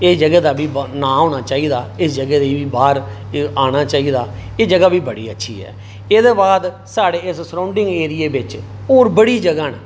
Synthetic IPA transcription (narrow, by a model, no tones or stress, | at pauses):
ɪsd͡ʒəɡɛːd̪aːbiːbnaːɦoːñaːt͡ʃaːiːd̪aːɪsd͡ʒəɡɛːd̪eiːʋiːbaːɾ | aːɽ̃aːt͡ʃaːiːd̪aːeːd͡ʒəɡaːʋiːbəɽḭːətːʃʰḭːɦɛ̰ː | eːd̪eːbaːd̪ | saːɽeːɪssəɾãʊɳɖɪ̃ŋɡeːɾɪeːbɪt͡ʃ | oːɾbəɽiːd͡ʒəɡaːnː